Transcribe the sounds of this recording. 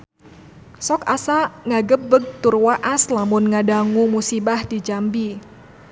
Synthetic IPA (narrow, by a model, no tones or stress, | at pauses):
sɔkasaŋaɡəp̚bəɡ̚t̪ʊrwaʔaslamʊnŋadaŋumusibahdid͡ʒambi